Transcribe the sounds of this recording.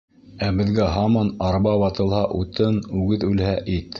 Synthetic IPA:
æbɘ̆ðɡæɦɑmɑnɑɾbɑβɑt̪ɤ̆lˠhɑʔut̪ɤnʉɡɘðʉlhæʔit̪

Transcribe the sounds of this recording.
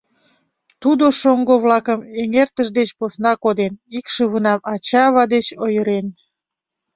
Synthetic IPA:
t̪ud̪oʃoŋɡoβlɑkəmeŋert̪əʒd̪et͡ɕposnɑkod̪enikʃəβənɑmɑt͡ɕɑβɑd̪et͡ɕojəɾen

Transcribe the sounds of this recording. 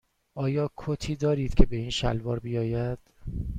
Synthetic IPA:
ʔɒːjɒːkʰot̪ʰiːd̪ɒːɾiːd̪̥kcʰe̞be̞iːnʃæ̰lvɒːɾbijɒːjæd̪̥

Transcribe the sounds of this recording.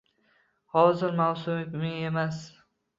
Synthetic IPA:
hɒzɪɾmawsʊmɪkʲmɪŋe̞mas

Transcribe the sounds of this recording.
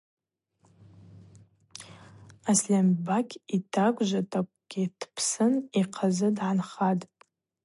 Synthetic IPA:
aslʲambakʲʰitʰakʷʼʒʷatʰʼakʷʼɡ̥ʲitʰpʰsɨniqʰazɨdʕanχatʼ

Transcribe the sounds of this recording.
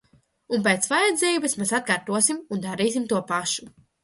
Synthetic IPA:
unp̬ejt̪svajɛd̪zʲiːbɐsmesat̪̚kaːɾt̪uɔsimund̪aɾiːs̬imt̪uɔpaʃu

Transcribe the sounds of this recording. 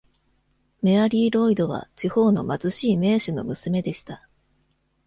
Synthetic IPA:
me̞aɾʲiːɾo̞id̪o̞β̞a̰t͡ɕiho̞ːno̞̰mazɨɕiːme̞ːɕɨno̞̰mɯ̟sɨme̞d̪e̞ɕi̥t̪a

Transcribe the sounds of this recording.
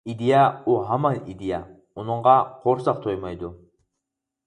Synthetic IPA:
id̪ijauɦamɑnid̪ija | unuɴʁɑqʰoɾsɑq̚t̪ʰojmɑjd̪u

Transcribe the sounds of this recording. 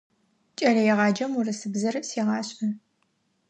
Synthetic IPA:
t͡ʃʼɐrɐjɛʁɑːd͡ʒɐmurɨsɨbzɐrɨsiːʁɑːɕʼɐ

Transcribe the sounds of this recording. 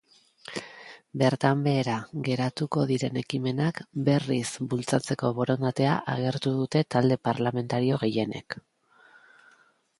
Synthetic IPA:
be̞ɾt̪ambe̞ːɾaɣe̞ɾat̪uko̞ðiɾe̞ne̞kime̞nakbe̞risbult͡sat͡se̞ko̞βo̞ɾo̞nd̪at̪e̞a̰ʔaɣ̞e̞ɾt̪uðut̪e̞t̪ald̪e̞paɾlame̞nt̪aɾio̞ɣe̞je̞ne̞̰k

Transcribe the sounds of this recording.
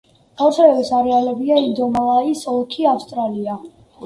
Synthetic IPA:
ɡ̥avɾsɛɛbisaɾɛalɛbiaid̪ɔmalˠaisɔlˠkʰiafst̪ʼɾalia

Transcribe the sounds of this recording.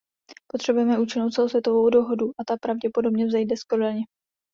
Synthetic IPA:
po̞t̪r̝̥ɛbujɛmɛʔuːt͡ʃɪnowt̪t͡sɛlosvjɛt̪ovo̞wdo̞ɦo̞duʔat̪apɾavɟɛpo̞do̞bɲɛvzɛjdɛskoɾɪlɲɛ

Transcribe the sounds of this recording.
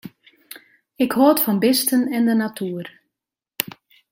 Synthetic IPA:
ɪkhoətfɔnbɪstənɛndənatʰyːər

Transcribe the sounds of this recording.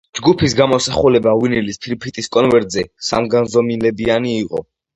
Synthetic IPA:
d͡ʒɡupʰisɡamɔsaχulɛbawinilispʰiɾpʰit̪ʼiskʼɔnvɛɾt̪zɛsa̰mɡanzɔmilɛbianiːqʼɔ̰

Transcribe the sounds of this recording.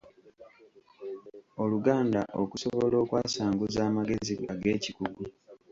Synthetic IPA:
o̞luɡaːndaʔokusoβo̞lo̞ːkwaːsaːŋɡuzaːmaɡe̞ziaɡe̞ːcikuɡu

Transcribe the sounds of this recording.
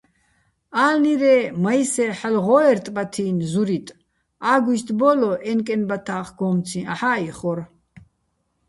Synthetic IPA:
aːlniɾɛmajsɛħalʁɔɛɾt̪ʼbat̪ʰiːnzuɾit̪ʼ | aːɡwist̪ʼbɔlɔʔɛnkʼɛnbat̪ʰaːχɡ̥ɔmt͡sʰĩaħaiχɔɾ

